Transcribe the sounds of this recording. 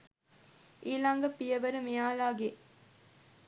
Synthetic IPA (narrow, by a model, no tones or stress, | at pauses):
ʔiːlɐŋɡɐpːijɐʋɐɾumijaːlaːɡe